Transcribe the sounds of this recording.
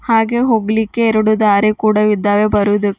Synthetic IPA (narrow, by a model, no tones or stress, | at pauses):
haːɡe̞ɦoːɡlikːeːɾuɽud̪aːɾekuːɽɐʋid̪ːaːʋebɐɾuʋd̪u